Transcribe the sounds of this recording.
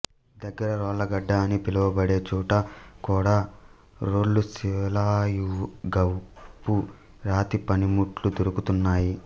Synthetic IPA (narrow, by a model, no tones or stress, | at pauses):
d̪ɐɡːɐɾɐɾɔːllɐɡɐɖːaːnipilɐʋɐbɐɽe̞ːt͡ʃuːʈɐkuːɽaː | ɾoːɭːusiʋlaːjuɡɐwpu | ɾaːt̪ipɐnimuʈlud̪oɾukut̪unːaːji